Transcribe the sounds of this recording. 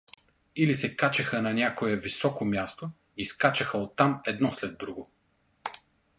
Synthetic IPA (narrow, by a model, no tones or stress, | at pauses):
ilisɛkat͡ʃɐxənɐnʲakoɛvisɔkomjast̪o | iskat͡ʃɐxəot̪ːamɛd̪nɔslɛd̪ːɾuɡo